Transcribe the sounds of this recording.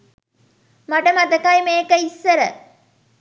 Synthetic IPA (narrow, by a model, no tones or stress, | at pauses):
mɐʈɐmɐd̪ɐkajmeːkəisːɐɾə